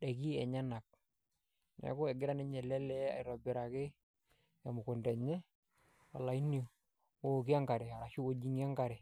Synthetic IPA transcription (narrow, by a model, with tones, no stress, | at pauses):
dɛ˨ki˦ɛ̰˨ɲa˦na˨k̚ | nɛ̰˨kʊ˦ɛ˨ɡɪ˦ɾa˦nɪ˦ɲɛ˨lɛ˦lɛ˦a̰˨ɪ˨ɾɔ˨bɪ˨ɾa˨kɪ˦ | ja˨mʊ˨kʊ˨ndɛ˨ɲɛ˦ | wa˨la˨i˦ni˦˨ | ok̬ɪ˦a˦ŋɡa˨ɾɛ˨a˨ɾa˨ʃu˦o˦d͡ʒi˦ŋ˦a˦ŋɡa˨ɾɛ˨